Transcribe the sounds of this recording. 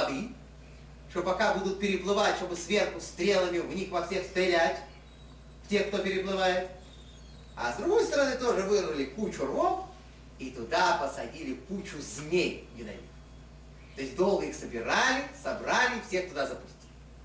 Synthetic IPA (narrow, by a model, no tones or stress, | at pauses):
ɐd̪ɨ | ʂt̪opɐkabud̪ʊt̪̚pʲɪɾʲɪplˠɨvatʲʂt̪obɨsvʲe̞rxʊst̪ɾʲe̞lˠəmʲɪvnʲixvɐfsʲe̞xst̪ɾʲɪlʲætʲ | ftʲe̞xk̚t̪o̞pʲɪɾʲɪplˠɨvajɪt̪ | ɐ̰zd̪ɾʊɡo̞jst̪əɾɐnɨt̪o̞ʐɨvɨrvəlʲɪkut͡ɕʊrok | it̪ʊd̪apəsɐdʲilʲɪkut͡ɕʊzʲnʲejnʲɪd̪ɐ̰ḭk | t̪o̞ɪsʲd̪o̞lˠɡəixsəbʲɪɾalʲɪsɐbɾalʲɪfsʲexkt̪ʊd̪azəpʊ̥sʲtʲi̥lʲɪ